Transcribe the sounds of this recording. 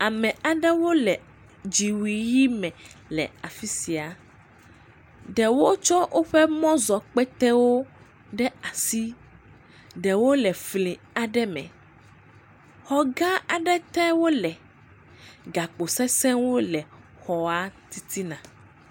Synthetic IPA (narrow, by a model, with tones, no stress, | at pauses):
a˨mɛ̃˨a˨ɖɛ˦wo˦lɛ˨ | d͡ʒi˨wi˨ji˦mɛ̃˨lɛ̰˨a˨fi˦si˨a˨ | ɖɛ˨wo˦t͡ʃɔ˦wʔo˦ɸɛ˦mɔ̃˦zɔ˨k͡pɛ˦t̪ɛ˦wo˦ | ɖɛ˦a˨si˦ | ɖɛ˨wo˦lɛ˨flĩ˨ | a˨ɖɛ˦mɛ̰̃˨ | xɔ˦ɡã˦a˨ɖɛ˦t̪ɛ˦wo˦lɛ˨ | ɡa˨k͡po˨sɛ˦sɛ̃˦wo˦lɛ˨ | xɔ˨a˦t̪i˦t̪ʰi˦nã˨